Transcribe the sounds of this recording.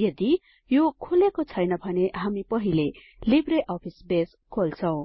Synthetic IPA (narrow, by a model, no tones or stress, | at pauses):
jʌd̪i | jokʰulekot͡sʰʌjnʌbʱʌneɦamipʌɦile | libreʔʌpʰisbes | kʰolt͡sʰʌw̃